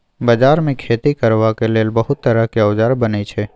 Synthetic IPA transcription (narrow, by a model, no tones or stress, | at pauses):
bəd͡ʒaɾmẽkʰeːt̪ikəɾʋakeleːlbəɦʊt̪ːəɾakiəd͡ʒaɾbənet͡ʃʰe